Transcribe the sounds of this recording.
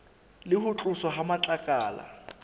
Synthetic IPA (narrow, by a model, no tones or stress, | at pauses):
lɪhʊt͡ɬʼʊsɔɦamat͡ɬʼakʼaːla̰